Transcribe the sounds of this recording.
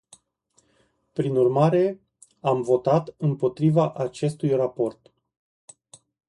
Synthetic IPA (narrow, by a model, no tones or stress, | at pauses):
pɾinurmaɾe̞ | amvo̞t̪at̪ɨmpo̞t̪ɾivaʔat͡ʃe̞st̪ujrapo̞rt̪